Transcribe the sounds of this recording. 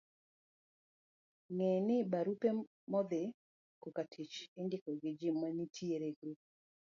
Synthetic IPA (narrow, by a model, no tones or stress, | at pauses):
ŋɛnɪbaɾupe | mɔd̪ɪ | kokatʰit͡ʃɪndɪkɔɡɪd͡ʒimanitʰieɾeɡɾu